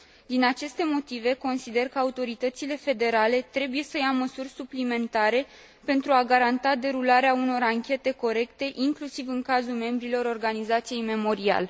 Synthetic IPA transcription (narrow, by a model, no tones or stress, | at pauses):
d̪inat͡ʃe̞st̪e̞mo̞t̪ive̞ko̞nsid̪e̞rkəaut̪o̞ɾit̪ət̪sile̞fe̞d̪e̞ɾale̞t̪ɾe̞buje̞səjaməsurʲsuplime̞nt̪aɾe̞ | pe̞nt̪ɾuaɡaɾant̪ad̪e̞ɾulaɾeauno̞ɾaŋkʲe̞t̪e̞ko̞ɾe̞kt̪e̞ʔiŋklusivɨŋkazulme̞mbɾilo̞ɾo̞rɡanizat̪sije̞jme̞mo̞ɾia̰l